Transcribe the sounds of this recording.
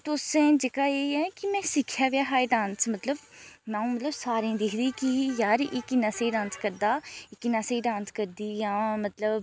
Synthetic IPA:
t̪ʊsẽːd͡ʒɪkaːeːɛːkɪmɛ̃ːsɪkʰːjaːʋjaːɦaːiɖãːnsmət̪ləbmãːũːmət̪ləbsaːɾẽːd̪ɪkʰd̪iːkijaːɾʔɪknaːseːɖãːnskəɾd̪aːɪkɪnaːseːɖãːnskəɾd̪iːjãːmət̪ləb

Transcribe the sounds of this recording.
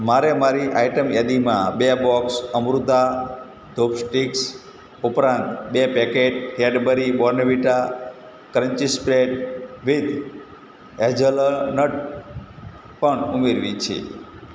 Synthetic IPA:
maɾemaɾiʔaiʈəmjad̪imãbebɔksəmɾut̪a | d̪ʱobsʈiks | upɾãnt̪bepɛkeʈɦeɖbəɾibɔɾnəʋiʈa | kɾəɲt͡ʃispɾeɖʋid̪ | ed͡ʒəlnəʈ | pəɳumeɾʋit͡ʃʰḛ

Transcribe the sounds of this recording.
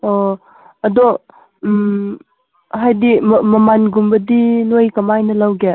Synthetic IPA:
ɔ | ɐdɔ | ɦajdimmɐmanɡumbɐdinojkɐmajnɐlawɡe

